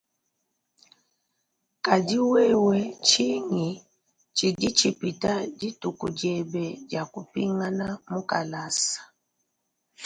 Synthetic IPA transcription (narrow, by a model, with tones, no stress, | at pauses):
ka˨d͡ʒi˦wɛ˦wɛ˦t͡ʃi˦ŋi˨ | t͡ʃi˨di˦t͡ʃi˨pi˨ta˦d͡ʒi˦tu˨ku˨d͡ʒɛ˨bɛ˨d͡ʒa˨ku˨pi˦ŋa˦na˦mu˦ka˨la˦sḁ˨